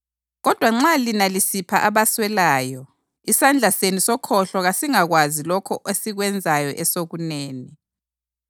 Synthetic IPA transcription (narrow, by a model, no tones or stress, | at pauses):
ɣɔd̥ʱwaŋ͡ǁalinalisipʰaʔaβaswɛlaːjɔ | isand͡ɮʱasenisɔkʰɔɬɔɣasiŋaɣwazilɔkʰɔʔesiɣwɛnd͡zʱajɔʔɛsoɣuneːni